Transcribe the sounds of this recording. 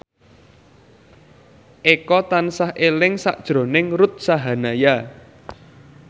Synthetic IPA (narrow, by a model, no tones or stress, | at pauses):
ʔekɔt̪ansahʔelɪŋsa̰ʔd̥ʒ̥ɾo̤nɪŋɾʊt̪̚saɦanaja